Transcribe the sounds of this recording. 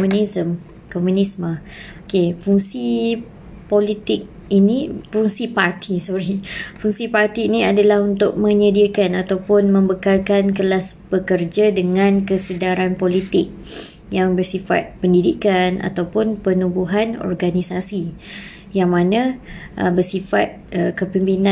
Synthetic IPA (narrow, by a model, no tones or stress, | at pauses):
munisəm | komũnismə | okefuŋsi | polit̪ɪk̚ | inĩpfuŋsipart̪ʰisɔɾifuŋsipart̪iːnĩadalahunt̪ʊk̚mə̃ɲədiəkanat̪awpʊnmə̃mbəkalkankəlasb̥əkərd͡ʒadəŋãnkəsədaɾanpolit̪ɪk̚ | jaŋbərsifa̰t̪̚pəndidikana̰t̪awpʊnpənubuɦanɔ̰rɡanisasi | jaŋmãnãʔə̰bərsifat̪̚əkəpimpinã